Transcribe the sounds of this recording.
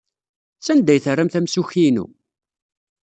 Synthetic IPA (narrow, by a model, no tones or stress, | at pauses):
t͡sːænd̪ːæjθərːæmθæmsuçinṵ